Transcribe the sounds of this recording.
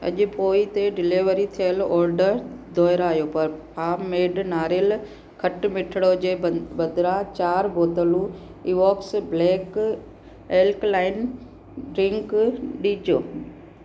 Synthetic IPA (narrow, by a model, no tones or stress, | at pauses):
ɐ̰ʄʊ̆poːit̪eɖɪliʋəɾit̪ʰijəlɔːɾɖəɾd̪ʱɔːɪɾaaːjopɐɾpʰaːmːeːɖnaːɾɪl | kʰɐʈmɪʈʰɪɽod͡ʑeːbɐd̪ɾãt͡ɕaːɾbʱoːt̪əlũ | iːʋɔːksbleːk | eːlklaːɪn | ɖɾɪ̃ŋkɗiːd͡ʑoː